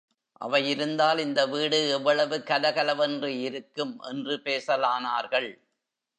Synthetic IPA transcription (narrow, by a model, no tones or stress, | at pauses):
ʔɐ̰ʋɐjɪɾɯnd̪aːlɪnd̪ɐʋiːɽɯɛʋːɐɭɐʋɯkɐlɐɣɐlɐʋɛndrɯɪɾɯkːɯmʔɛ̰ndrɯpeːsɐlaːnaːɾɣɐɭ